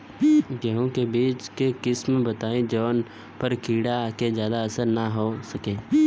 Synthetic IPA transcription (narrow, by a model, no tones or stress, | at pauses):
ɡəɦõkebiːt͡ʃkekɪsmbət̪aːẽd͡ʒɔːn | pɐɾkʰiːɽakezjaːd̪aɐsəɾnaɦosəkẽː